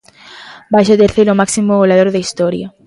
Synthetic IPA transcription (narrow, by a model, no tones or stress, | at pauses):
bajʃot̪eɾθeɾomaksimoɣolaðoɾðeist̪oɾja